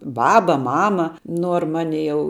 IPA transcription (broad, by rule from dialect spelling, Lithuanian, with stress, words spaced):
ˈbɑːbɐ ˈmɑːmɐ ˈnuɔr ˈmɑːnʲɪ jɛʊ